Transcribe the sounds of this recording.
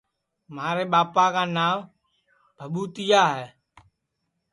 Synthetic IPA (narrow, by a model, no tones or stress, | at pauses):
maːɾeːɓaːpaːkaːnaːm | bʱəɓuːt̪ɪjaːɦɛː